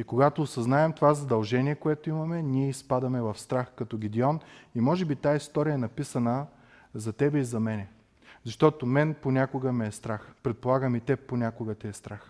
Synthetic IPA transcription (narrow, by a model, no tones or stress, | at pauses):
ikoɡat̪oːsɐznaɛmt̪ovazɐd̪ɐlˠʒɛniɛkoɛt̪oimɐmɛnʲiɛispad̪ɐmɛvɐfst̪ɾaxkɐt̪ɔɡʲid̪iɔnimɔʒɛbit̪aist̪ɔɾijəɛnɐpisɐnə | zɐt̪ɛbɛizɐmɛnɛ | zɐʃt̪ɔt̪omɛnponʲakʊɡəmɛːst̪ɾaxpɾɛt̪̚polˠaɡəmit̪ɛponʲakʊɡət̪ɛɛst̪ɾax